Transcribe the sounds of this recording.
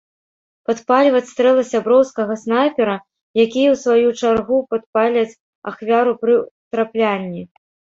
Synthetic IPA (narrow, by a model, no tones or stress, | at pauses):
pat̪palʲvɐt͡sʲst̪ɾɛlˠɐsʲabɾɔwskɐɣɐsnajpʲɛɾɐ | jakʲijɐwsvajut͡ʂarɣupat̪̚palʲvʲɐt͡sʲ | axvʲaɾupɾɨt̪ɾaplʲanʲːi